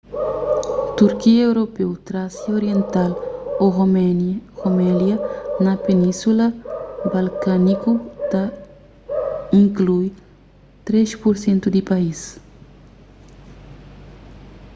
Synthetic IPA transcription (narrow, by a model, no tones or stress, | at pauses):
t̪uɾkiɐewɾopewt̪ɾasioɾjẽnt̪aloɣomɣomɛljɐnɐpenĩsulɐbalkanikut̪a | ĩŋkluj | t̪ɾeʃpuɾsẽnt̪ud̪ipais